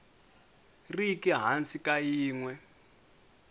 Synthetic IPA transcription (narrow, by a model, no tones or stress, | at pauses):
rikiɦansikajiːŋwɛ